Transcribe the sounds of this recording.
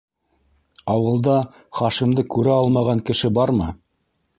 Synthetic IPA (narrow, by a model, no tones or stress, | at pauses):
ɑwɤ̆lˠd̪ɑ | χɑʃimd̪ɤkʉɾæɑlˠmɑʁɑŋkɘ̆ʃɘbɑɾmɤ